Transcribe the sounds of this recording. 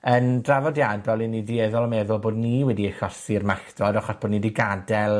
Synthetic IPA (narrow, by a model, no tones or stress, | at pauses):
əndravɔdjanbɛlˠinidiɛðɔlˠɔmɛðʊlˠboːdniwɛdiəɬɔsirmaktɔdɔχɔsb̥oːdnidiɡadɛlˠ